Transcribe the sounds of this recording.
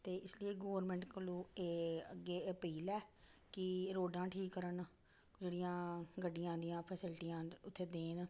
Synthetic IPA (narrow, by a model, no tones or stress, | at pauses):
t̪eːʔɪslieːɡoːɾmɛ̃ːɳʈkəlõːeːəɡːeːpiːlɛːkɪɾoːɖãːʈʰiːkːəɾən | d͡ʒeːɽijãːɡəɖijãːd̪ijãːpʰəsɪlʈijãːʊt̪ʰːeːd̪eːn